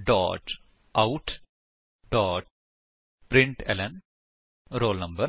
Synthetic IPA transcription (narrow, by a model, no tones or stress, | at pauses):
ɖɔ̰ːʈ | ʔɐʊʈ | ɖɔːʈ̚ | pɾɪɳʈɛ̰lɐn | ɾoːlnɐmbɐɾ